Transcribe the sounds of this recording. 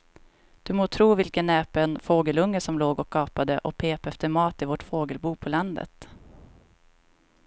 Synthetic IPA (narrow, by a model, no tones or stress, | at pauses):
d̪̥ɵmoːt̪ʰɾuːvɪlkənːɛːpɛnfoːɡəlɵŋːəsɔmloːɡɔkʰːɑːpad̪əʔɔpʰeːpɛft̪əɾmɑːt̪ɪvɔʈfoːɡəlbuːpʰɔland̪ə̰t̪